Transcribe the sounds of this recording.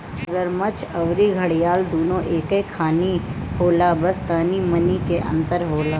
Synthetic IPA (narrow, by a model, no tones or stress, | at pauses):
ɡəɾmət͡ʃʰɐʋɾiɡʱɐɽijaːld̪oːnõʔeːkẽkʰaːnihoːlaːbɐst̪aːnimɐnikeʔɐ̰̃nt̪əɾɦoːlaː